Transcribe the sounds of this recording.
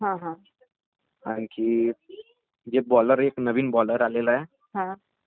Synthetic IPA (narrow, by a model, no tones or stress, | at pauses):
ɦãɦã | a̰nki | jebɔːləɾeːknəʋinbɔːləɾaːleːlaɦɛː | ɦã